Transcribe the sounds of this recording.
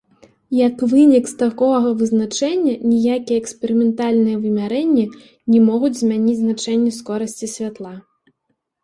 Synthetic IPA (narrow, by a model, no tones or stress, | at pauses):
jɐkvɨnʲikst̪akɔɣɐvɨznat͡ʂɛnʲːɐnʲijakʲijɛːkspʲɛɾɨmʲɛnt̪alʲnɨjɐvɨmʲaɾɛnʲːɛ | nʲɛmɔɣud͡zʲzʲmʲanʲid͡zʲznat͡ʂɛnʲːɛskɔɾɐsʲt͡sʲisʲvʲat̪lˠa